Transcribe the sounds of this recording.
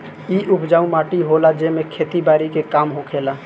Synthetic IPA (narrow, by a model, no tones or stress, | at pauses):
iʔʊpʰd͡ʒaːũmaːʈiɦolad͡ʒemekʰeːt̪ibaːɾikekaːmɦokʰeːla